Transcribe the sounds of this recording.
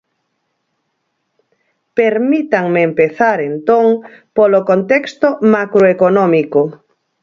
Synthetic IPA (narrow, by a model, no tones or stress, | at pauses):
peɾmit̪aŋmeːmpeθaɾent̪oŋpolokont̪ekst̪omakɾoekonɔmiko